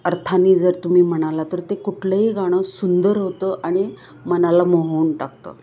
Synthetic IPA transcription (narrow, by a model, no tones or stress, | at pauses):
əɾt̪ʰaniːd͡zəɾt̪um̤iːm̤əɽ̃alat̪əɾt̪ekuʈʰləɦiɡaɽ̃əsund̪əɾɦot̪əʔaɽ̃i | mənalamoɦuːnʈakt̪ə̰ː